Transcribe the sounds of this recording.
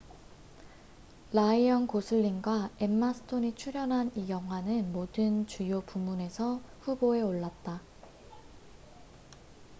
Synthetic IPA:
laiʌnkosʰɯʎːinɡwae̞mːasʰɯ̥tʰoɲit͡ɕʰuɾjʌnɦanijʌŋɦwanɯnmodɯnt͡ɕujopumune̞sʰʌɸuboe̞oɭːat̚t͈a

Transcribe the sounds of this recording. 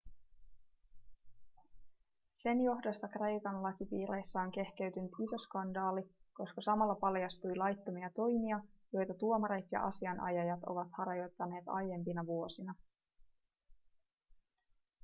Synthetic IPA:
se̞njo̞ɦdo̞st̪ɑkre̞jkɑnlɑk̪ipiːɾejsːɑoŋke̞hk̟e̞ɥt̪ynyt̪iso̞skɑndɑːliko̞skɑsɑmɑlːɑpɑljɑst̪ujlɑjt̪ːo̞miɑt̪o̞jmiɑjo̞jt̪ɑt̪uo̞mɑɾet̪jɑ̰ʔɑ̰siɑnʔɑ̰jɑjɑt̪o̞̰ʋɑt̪hɑɾɑjo̞jt̪ːɑne̞ːt̪ɑ̰jːe̞mpinɑʋuo̞sinɑ

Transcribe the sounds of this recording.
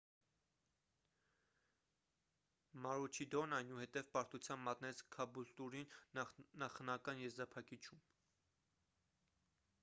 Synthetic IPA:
mɑɾut͡ʃʰid̪ɔnɑjnuhɛt̪ɛvpɑɾt̪ut͡sʰjɑmbmɑt̪nɛt͡sʰkʰɑbult̪uɾinnɑχnɑkɑnjɛzɾɑpʰɑkit͡ʃʰum

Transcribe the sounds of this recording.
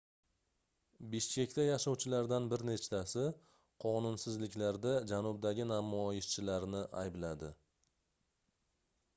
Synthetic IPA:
bɪʃkʲe̞kʲt̪ajaʃɒwt͡ʃʰɪlaɾd̪anbɪɾne̞t͡ʃt̪ʰasɪ | qʰɒnʊnsɪzlɪkʲlaɾd̪ad͡ʒanʊbd̪aɡʲɪnamɒjɪʃt͡ʃʰɪlaɾnɪʔajblad̪ɪ

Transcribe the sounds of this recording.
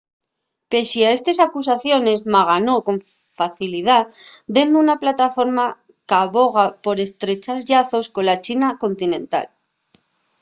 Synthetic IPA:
pe̞siaest̪e̞sakus̬aθjo̞ne̞zmaɣ̞ano̞ko̞ɱ | faθilið̞ad̪end̪unaplat̪afo̞ɾma | kaβo̞ɣ̞apo̞ɾe̞st̪ɾe̞t͡ʃazʎaθo̞sko̞lat͡ʃinako̞nt̪inẽ̞nt̪a̰l

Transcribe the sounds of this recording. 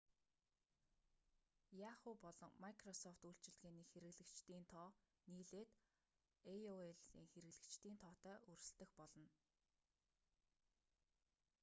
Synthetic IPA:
jaχuːpɔɮɞ̆ŋmakʰrɔsɔft̪uɬt͡ɕɪ̆ɮɣeːniːxeɾɘ̆ɣɮɘ̆kt͡ɕt̪iːnt̪ʰɔː | niːɮeːt̪ | eoeɮsiːŋxeɾɘ̆ɣɮɘ̆kt͡ɕt̪iːnt̪ʰɔːt̪œːʔɵrsɘ̆ɬt̪ɘ̆xpɔɮɞ̆n

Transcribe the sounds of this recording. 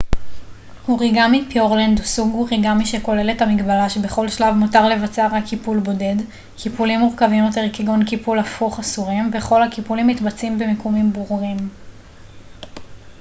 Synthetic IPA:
huʁiɡamipjoʁlend̪usuɡuʁiɡamiʃeko̞le̞lethamiɡbalaʃebe̞χo̞lʃlavmutaʁle̞vat͡seaʁakʰːipulbo̞de̞d | kʰipulimːuʁkavimjo̞t̬e̞ʁkeɡonkipulafuχasuʁimbe̞χo̞lhakipulimːitbat͡simbemekomimbuʁuʁim

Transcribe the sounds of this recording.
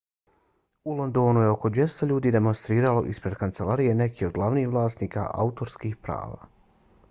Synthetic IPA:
ulˠo̞nd̪o̞nuje̞o̞ko̞d̪ʋje̞st̪oʎuːd̪iːd̪e̞mo̞nst̪ɾiːɾalo̞̰ʔispɾe̞d̪kant̪se̞laɾije̞ne̞kio̞d̪̚ɡlˠaʋniːhʋlˠaːst̪niːka̰ʔa̰ut̪o̞ɾskixpɾa̰ːʋa̰ː

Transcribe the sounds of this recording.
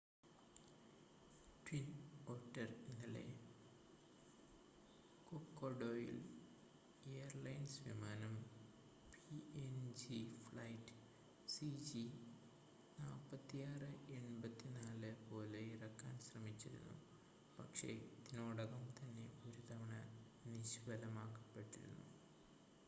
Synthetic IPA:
ʈwinoːʈːɐrinːɐlḛ | kokːoɖoːjḭl | ejɐrlɐjnsʋimaːnɐm | piend͡ʑifɭɐjtːɨ̥ | sid͡ʑi | naːpːɐt̪ːijaːrɨe̞ɳbɐt̪ːinaːlɨpo̞ːle̞irɐkːa̰ːnɕrɐmit͡ɕːiɾṵnːṵ | pɐkʂe̞̰id̪inoːɽɐɣɐmt̪ɐnːe̞oɾut̪ɐʋɐɳɐ | niɕʋɐlɐmaːkːɐ̥pːe̞ʈːiɾṵnːṵ

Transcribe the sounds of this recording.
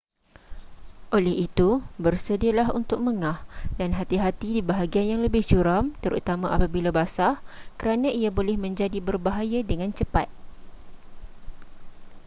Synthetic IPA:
ʔolɛhit̪ubərsədialaɦṵnt̪ʊk̚məŋahdanɦat̪iɦat̪idibaɦaɡianjaŋləbɪht͡ʃuɾamt̪əɾṵt̪amãapabilabasahkəɾanãiabolɛhmə̃ɲd͡ʒadibərbaɦajadəŋãnt͡ʃəpat̪̚

